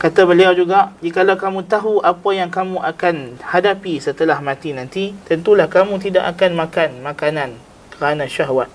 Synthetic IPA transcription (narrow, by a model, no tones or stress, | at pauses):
kat̪abəliawd͡ʒuɡaʔd͡ʒikalawkamũt̪aɦuʔapajaŋkamũʔakanhadapisət̪əlahmãt̪inãnt̪it̪ənt̪ulahkamũt̪̬ida̰ʔakanmãkanmãkanãn | kəɾanãʃaɦwat̪̚